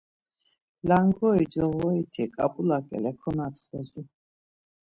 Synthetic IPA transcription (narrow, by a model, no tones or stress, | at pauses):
laŋɡɔid͡ʒɔvɔit̪ʰɛkʼapʼulakʼɛ̰lɛkʰɔnat̪ʰχɛzu